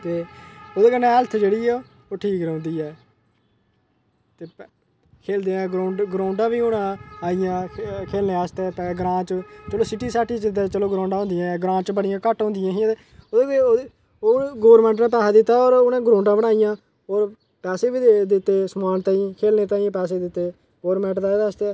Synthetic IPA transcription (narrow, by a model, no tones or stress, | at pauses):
t̪eːoːd̪eːkənːẽːɛlt̪ʰd͡ʒeːɽiːɛː | oːʈʰiːkɾʊ̃nd̪iːɛː | t̪eː | kʰeːld̪eːãːɡɾoːɳɖɡɾõːɳɖãːbiːonãːaːɪjãːkʰeːlneːaːst̪eːpɛːɡɾãːt͡ʃt͡ʃəloːsɪʈiːsaːʈit͡ʃɪd̪eːt͡ʃəloːɡɾõːɳɖãːɦʊ̃nd̪ɪjãɡɾãːt͡ʃbəɽɪjãːkəʈɦõːnd̪ɪjãːɦie | oːd̪eːo | oɡoːʋɾmɛ̃ːɳʈnãːp̬ɛːsaːd̪ɪt̪ːaːoːɾʊnẽːɡɾõːɳɖãːbəɽ̃aːijãː | oːɾ | pɛːseːbiːd̪ɪt̪ːeːsəmaːnt̪ãːĩːkʰeːlneːt̪ãːĩpɛːseːd̪ɪt̪ːeː | ɡoːɾmɛ̃ːɳʈd̪aːeːd̪əst̪eː